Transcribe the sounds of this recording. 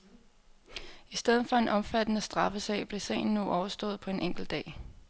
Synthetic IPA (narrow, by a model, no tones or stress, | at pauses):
isd̥eð̞ˠð̩ˠfɒ̽e̝nʔɒ̽mfæd̥ənəsd̥ʁɑ̈fəsɛ̰ɪ̰b̥le̝sɛ̰ɪn̩ːuʔɒʊɐsd̥ɔ̽ːð̞̩ˠpʰɒ̽e̝nʔeŋ̰ɡ̥l̩d̥ɛ̰ː